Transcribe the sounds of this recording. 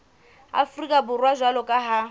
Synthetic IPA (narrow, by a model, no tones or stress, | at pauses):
a̰frikʼabʊrwaʒwalɔkʼaɦa